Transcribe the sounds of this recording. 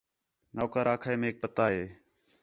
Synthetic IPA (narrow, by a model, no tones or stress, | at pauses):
naːkaːɾaːkʰaeːmẽːk̚pət̪aːɦeː